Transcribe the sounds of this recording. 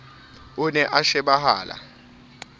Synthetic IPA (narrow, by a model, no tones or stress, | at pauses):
unɛʔaʃɛɓaɦa̰ːlʔa̰